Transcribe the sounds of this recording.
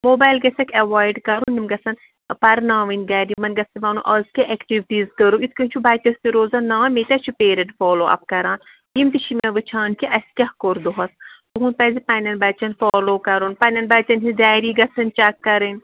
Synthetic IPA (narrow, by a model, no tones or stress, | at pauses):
moːbaːlɡɐsɐkʰʲɐʋaːjɖkɐɾunːimɡɐsɐn | pɐɾnãːʋɨnʲɡaːɾimɐnɡɐsiʋaːnṵʔɐzkeʔɛkʈiʋʈiːzkəɾuit̪ʰkənt͡ʃʰubaːjt̪ɐst̪iɾoːzaːnːaːmet̪ɐt͡ʃʰupeːɾɐʈfoːloːʔɐ̰p̚kɐɾãːn | imt̪iʃʰimɐʋɨt͡ʃʰaːnkiʔɐsʲkʲɐhkoɾd̪oɦɐst̪uɦuːnpɐːzipɐnʲɐnbɐt͡ʃɐnfoːloːkɐɾuːnpɐnʲɐnbɐt͡ʃɐnɦidaːɾiːɡɐsɐnt͡ʃɐkːɐɾɨnʲ